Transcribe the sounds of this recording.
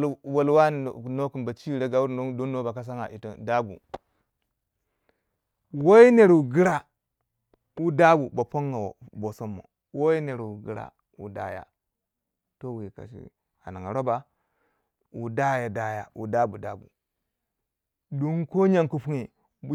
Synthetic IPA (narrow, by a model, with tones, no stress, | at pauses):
wo˨lwa˦n˨no˦ku˨nba˨t͡ʃi˦˨ɾe˦ɡa˨wu˦ɾo˦do˦nːo˦ba˨ka˦s̬a˦ŋa̰˨ʔi˨to˨da˦bṵ˨ | wo˦i˦ne˨ɾwu˨ɡi˦ɾa˦ | wu˦da˦bu˨ba˨po˦ŋːa˨wo̰˨bo˨so˦mːo̰˨ | wo˦i˦ne˨ɾwu˨ɡi˦ɾa̰˨ | wṵ˨da̰˦ja̰˨ | to˦wi˨ka̰˨ʃḭ˦ | a̰˨na˨ŋa˨ɾo˦ba˨ | wu˨da˦ja˨da˦ja˨wu˨da˦bu˨da˦bṵ˨ | do˦ŋko˦ɲa˦˨ŋku˦pu˦ŋe˨˦